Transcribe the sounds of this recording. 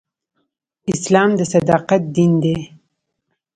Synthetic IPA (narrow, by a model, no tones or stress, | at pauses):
ɪslɑmd̪əsad̪ɑqat̪̚d̪ind̪e